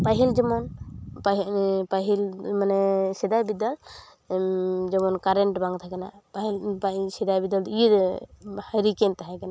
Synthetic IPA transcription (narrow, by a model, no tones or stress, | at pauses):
paɦild͡ʒɔmɔnppaɦilmanɛsɛd̪abid̪al | d͡ʒɔmɔnkaɾɛɳʈbãŋɡt̪ʰakɛna̰paɦilpasɛd̪abid̪ali | haɾikɛnt̪aɦakɛna